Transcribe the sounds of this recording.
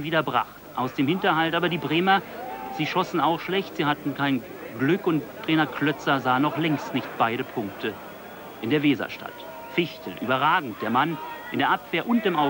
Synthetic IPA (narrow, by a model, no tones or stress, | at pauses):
viːdɐbʁa̰χtʔaʊsd̥eːmhɪntɐhaltaːbɐdiːbʁeːmɐz̥iːʃɔsn̩aʊxʃlɛçtz̥iːhatn̩kʰaɪn | ɡlʏkʊnttʁ̥ɛːnɐklœt͡sɐzaːənːɔχlɛŋstnɪçt̚b̥aɪɾəpʰʊŋk̚tə | ʔɪndeːɐveːzɐ̰ʃtʰa̰t | fɪçtl̩ʔy̰ːbɐʁaːɡŋ̩t̚d̥eːɐmanʔɪndeːɐʔapv̥eːɐʔʊnt̚d̥ɪːmʔaʊ